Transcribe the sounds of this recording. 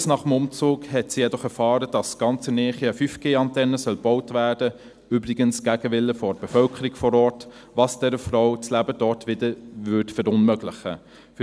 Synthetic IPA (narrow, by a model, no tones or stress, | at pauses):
snɑːχəmʊmt͡suːkhɛtsijɛdɔχɛɾfɑːɾəd̥ɑsɡ̥ɑnt͡sənɛːχiəfyːfɡ̥eːɑntɛnːəsœlb̥ɔʊtvæːɹd̥ə | yːbɾɪɡənsɡ̥æɡəʋɪlːəfɔb̥efœlkʰəɾɪkfɔɾɔːɹt | vɑːsd̥ɛɾəfrɔʊt͡slæbəd̥ɔtʋɪdəvʏtfɛɾʊnmœɡlɪχə̰ | f